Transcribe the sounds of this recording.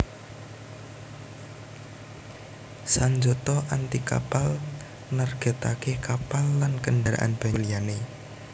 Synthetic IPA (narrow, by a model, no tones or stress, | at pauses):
saɲd͡ʒot̪ɔʔant̪ika̰pal | narɡ̥a̤t̪akekapalːankənɖaɾa̰ʔa̰nb̥a̤lijane